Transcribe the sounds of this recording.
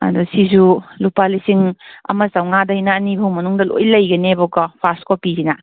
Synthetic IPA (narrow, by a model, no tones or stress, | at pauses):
ɐ̰dusizulupalisiŋɐ̰mɐsawŋadɐjnaːnibʱɐwmɐnuŋdɐlo̰jlɐjɡɐnebɔkɐpʰastkɔpizina